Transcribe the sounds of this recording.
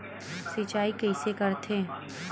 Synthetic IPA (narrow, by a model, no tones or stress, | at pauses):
sit͡ʃaːikɐɪsekɐɾt̪ʰẽ